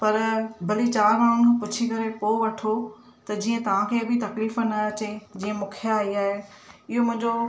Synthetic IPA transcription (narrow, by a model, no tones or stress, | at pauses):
pɐɾbʱɐlit͡ɕaːɾmaːɽ̃ʊnkʰepʊt͡ɕʰikɐɾepoːʋɐʈʰo | t̪ɐd͡ʑiːə̃t̪ɐʋ̤ãkʰeːbɪt̪ɐkliːfənaɐt͡ɕed͡ʑiːə̃mʊkʰjaaːiaːɦe | ɪɦomʊ̃ɦɪ̃ɲd͡ʑo